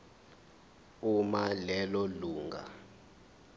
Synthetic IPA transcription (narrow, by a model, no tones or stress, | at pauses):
umalɛlɔluːŋɡa̰